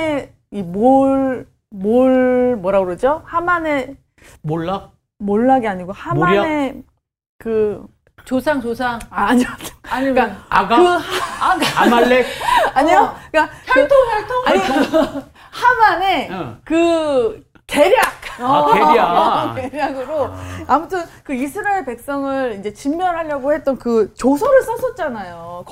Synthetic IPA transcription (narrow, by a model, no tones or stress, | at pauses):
e | imoɭ | moɭmwʌɾaɡɯɾʌd͡ʑohamane̞ | moɭːa | moɭːaɡeaɲiɡohamane̞ | kɯ | t͡ɕosʰaŋt͡ɕosʰaŋaɲiataɲimkaaɡkɯhaaɡmaek̚aɲiokatʰoatʰoai | hamane̞kɯ | te̞ɾjak̚ʌ | teɾjaɡɯɾoamutʰɯnkɯisʰɯɾaeɭpe̞k̚s͈ʌŋɯɾind͡ʑe̞t͡ɕimːjʌnɦaʎːʌɡohe̞t͈̚ʌnkɯt͡ɕosʰʌɾɯɭs͈ʌsʰʌt̚t͡ɕ͈anajok